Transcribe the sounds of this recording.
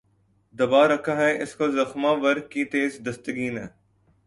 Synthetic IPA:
d̪ɐbaːɾɐkʰaːɦɛʔɪskozɐxmãːʋɐɾkit̪eːzd̪ɐst̪əɡiːnɦɛ̰̃ː

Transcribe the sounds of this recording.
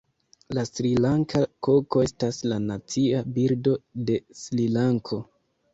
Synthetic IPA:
lasɾilaŋkʰako̞ko̞e̞staslanat͡siabiɾdo̞de̞slilaŋkʰo̞

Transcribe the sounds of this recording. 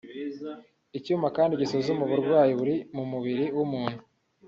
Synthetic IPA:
icuːmbakaːndiɟisozumuβuɾɡwaːjiβuɾimumuβiɾiwumuːn̥hu

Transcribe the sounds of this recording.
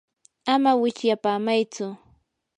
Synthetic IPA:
amawɪt͡ʃjapaːmajt͡sʊ

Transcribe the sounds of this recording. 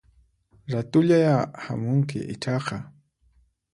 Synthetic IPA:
ɾat̪ʊʎajaha̰mʊŋkɪ̰ʔɪ̰t͡ʃɑqɑ

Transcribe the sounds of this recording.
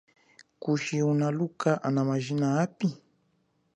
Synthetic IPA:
kuʃiunalukaʔanamaʒinaapi

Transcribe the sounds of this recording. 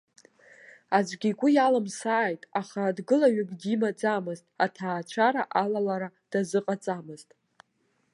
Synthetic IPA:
azʷɡʲikʷʼʊjalamsaːjtʼaχadɡɨlaɥʏɡʼdimad͡zamɨztʼatʰaːt͡ʃʷʰaɾaʔalalaɾad̥azɨqʼat͡sʼamɨztʼ

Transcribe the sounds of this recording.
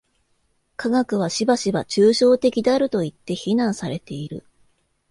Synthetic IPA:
kʰaɡakɯ̟β̞aɕibaɕibat͡ɕɨːɕo̞ːt̪e̞kʲid̪eaɾɯ̟t̪o̞it̪ːe̞çinãɰ̃saɾe̞t̪e̞iɾɯ̟̰

